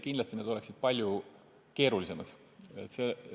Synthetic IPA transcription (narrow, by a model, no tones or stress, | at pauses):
kind̪lɑst̪ined̪o̞leksid̪̥̚pɑlʲju | ke̞ːɾulise̞mɑd̪̥ | et̪se